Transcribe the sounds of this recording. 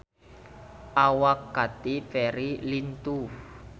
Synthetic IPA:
ʔawakɡat̪ifɛɾilint̪u

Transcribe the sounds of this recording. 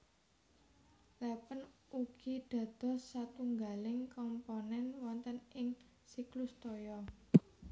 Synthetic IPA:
lɛpənuɡ̥iɖ̪̥ä̤d̪̥ɔ̤sːat̪uŋɡalɪŋkɔmponɛnwɔnt̪ənɪŋ | siklʊst̪ojɔ

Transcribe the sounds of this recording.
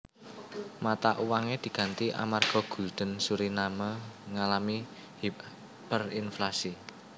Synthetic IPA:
mat̪aʔuwaŋed̪̥i̤ɡ̥ä̤nt̪iʔa̰marɡ̥ɔ̤ɡ̥ṳld̪̥ə̤nsuɾinaməŋalami | hi | pərinflasi

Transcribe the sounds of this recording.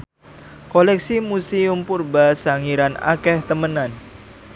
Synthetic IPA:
kolɛksimusiumpurbasaŋiɾana̰kɛht̪əmənan

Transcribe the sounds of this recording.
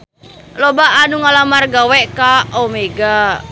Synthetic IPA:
lobaːnuŋalamarɡawɛʔkaʔomeɡa

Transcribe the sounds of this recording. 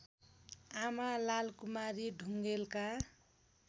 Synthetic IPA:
amalalkumaɾiɖʱuŋɡelka

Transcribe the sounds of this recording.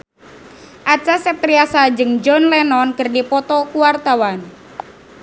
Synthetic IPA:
ʔat͡ʃasɛp̚t̪ɾiasad͡ʒɨŋd͡ʒɔnlɛnɔnkərdipɔt̪ɔkuwart̪awan

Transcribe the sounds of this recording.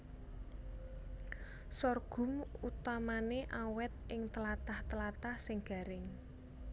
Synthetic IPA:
sɔrɡ̥ʊ̤mut̪amaneʔawɛt̪̚ɪŋt̪əlat̪aht̪əlat̪ahsɪŋɡ̥a̤ɾɪŋ

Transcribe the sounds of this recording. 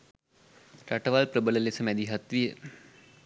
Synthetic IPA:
ɾaʈəʋaːlpɾəbələlesəmɛd̪iɦɐt̪ʋijə

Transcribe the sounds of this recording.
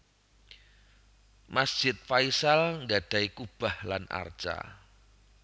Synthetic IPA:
masd̥ʒ̥ɪt̪̚faisalŋɡaɖ̪̥a̤ikub̥a̤hlana̰rt͡ʃa̰

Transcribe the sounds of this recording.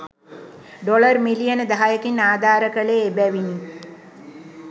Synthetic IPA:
ɖolərmilijənəd̪aɦajəkinːaːd̪aːɾəkəleːbæʋini

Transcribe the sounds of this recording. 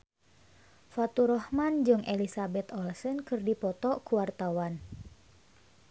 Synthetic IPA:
fat̪uɾɔhmand͡ʒɨŋʔelisabɛt̪ɔlsənkɨrdipɔt̪ɔkuwart̪awan

